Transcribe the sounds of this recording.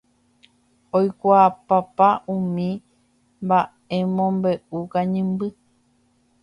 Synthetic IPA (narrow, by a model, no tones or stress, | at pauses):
ojkʷaːpapaũmĩ | mba | emõmbe̞ukaɲɨ̃mbɨ